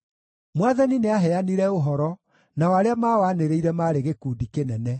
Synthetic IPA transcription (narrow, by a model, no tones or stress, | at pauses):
mwaðanineaɦɛaniɾɛoɦɔɾɔ | nawaɾeamaːwaːneɾeiɾɛmaːɾeɣekuːdikenɛnɛ